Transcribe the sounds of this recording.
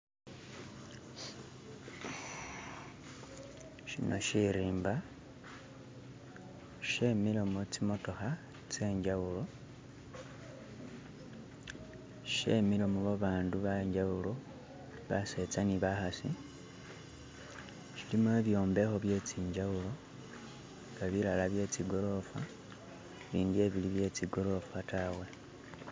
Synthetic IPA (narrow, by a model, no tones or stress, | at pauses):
ʃḭnoʃiɾiːmba | ʃe̞milomot͡simoto̞xa | t͡se̞ːɲd͡ʒawulo̞ | ʃe̞milomoβaβaːnduβaɲd͡ʒawulo | βase̞t͡saniβaxasi | ʃilimueβjo̞ːmbe̞xo̞βje̞t͡siːɲd͡ʒawulo̞ | ŋɡaβilalaβje̞ːt͡siɡo̞lo̞fa̰ | βiːndie̞βiliβje̞t͡siɡo̞lo̞fatawe̞